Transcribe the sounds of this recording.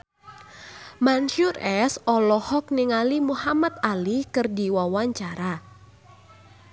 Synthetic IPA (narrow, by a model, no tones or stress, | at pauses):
manʃʊɾɛsɔlɔhɔk̚niŋalimuhamat̪̚alikɨrdiwawaɲt͡ʃaɾa